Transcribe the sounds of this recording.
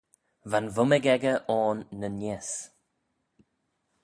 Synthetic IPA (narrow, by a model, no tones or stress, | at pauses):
vanvʊməɡɛɡəʔɔːnːənes